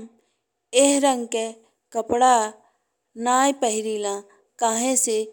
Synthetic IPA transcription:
m | eɦɾə̃ŋɡke | kəpɽa | naːjpəɦɪɾiːlãː | kaːɦẽse

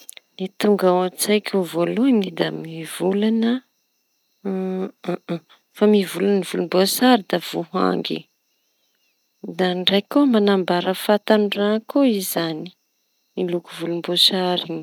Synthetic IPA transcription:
nit̪uŋɡaat͡sajkʲuvoluinid̪amiv̥ulanə | famivulannivulumbosaɾid̪av̥uɦa̰ŋɡḭ | d̪anɖ͡ʐajkomanambaɾəfat̪anrakoizani̥ | milukuvulumbosaɾiɲi

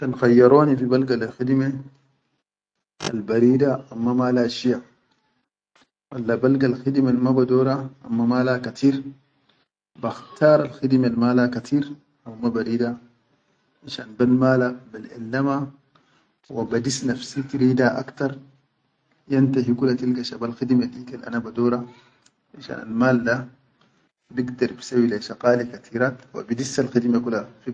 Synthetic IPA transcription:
kanxajːɑɾˤoːnifibalɡalalxidme | ʔa̰lbaɾiːdaʔamːamaːlaʃija | walːabalɡalxidmelmabadoːɾaʔa̰mːamaːlakat̪ʰiːɾ | baxt̪ʰaːɾˤalxid̪melmaːlakat̪ʰiːɾ | ʔawmabaɾiːda | ʔaʃaːnbalmaːlabilʔa̰lːama | wabad̪isnafsit̪iɾiːd̪aʔa̰kt̪ɑɾˤ | jant̪aɦikulːat̪ilkaʃabalxid̪malʔiːkalʔa̰nabad̪oːɾˤa | ʔanʃa̰ːna̰lmaːld̪a | biɡd̪ɑɾˤbisawilaʃaqaːlikat̪ʰiːɾaːt̪wa̰bidisːalxid̪makulːaxi

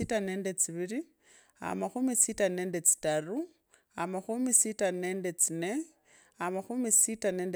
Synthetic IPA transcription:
itane̞ːndet͡siβiɾi | a̰maxumisitane̞ːnde̞t͡si̥taru | a̰maxumisitane̞ːndet͡sine̞ | amaxumisitane̞ːnd

